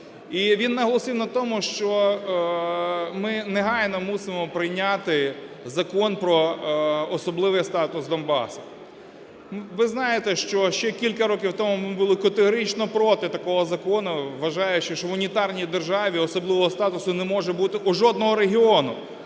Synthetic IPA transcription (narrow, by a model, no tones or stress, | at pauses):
iʋʲinːɐɦɔlˠɔsɪwnɐt̪ɔmʊʃt͡ʃɔ | mɪneɦɑjnɔmusɪmɔpɾɪjnʲat̪ɪ | zɐkɔnpɾɔ | ɔsɔblˠɪʋɪjst̪ɑt̪ʊsd̪ɔnbɑ̰sʊ̥ | ʋɪznɑjet̪ɛʃt͡ʃɔʃt͡ʃɛkʲilʲkɐɾɔkʲiwt̪ɔmumɪbʊlˠɪkɐt̪eɦɔɾit͡ʃnɔpɾɔt̪ɪt̪ɐkɔɦɔzɐkɔnʊʋːɐʒɑjʊt͡ʃɪʃt͡ʃɔʋʊnʲit̪ɑrnʲijd̪erʒɑʋʲiɔsɔblˠɪʋɔɦɔst̪ɑt̪ʊsʊnɛmɔʒɛbut̪ɪʔuʒɔd̪̚nɔɦɔɾeɦʲiɔnʊ